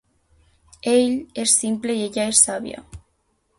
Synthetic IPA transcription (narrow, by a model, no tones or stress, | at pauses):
eʎe̞sːimple̞ieʎaesːaβja̰